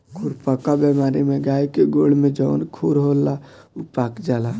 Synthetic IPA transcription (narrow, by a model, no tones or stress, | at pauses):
kʰuɾpəkabɛmaɾimeɡaikeɡoɽ̤med͡ʒəʊnkʰuɾɦolːaupakd͡ʒala